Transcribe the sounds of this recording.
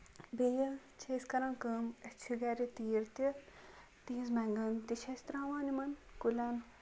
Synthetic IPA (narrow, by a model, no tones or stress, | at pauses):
bejɐ | t͡ʃʰeːskɐɾɐ̃ːnkəmɐt͡ʃʰiɡaɾit̪iːɾt̪i | t̪iːzmɛŋɡɐnt̪iʃʰɐsʲt̪ɾãːʋaːnimɐnkulʲɐn